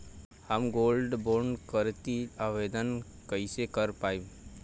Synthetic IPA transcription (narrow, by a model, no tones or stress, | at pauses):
həmɡoːlɖboːɾɳɖkəɾt̪iaʋeːd̪ən | kəɪsekəɾpaːib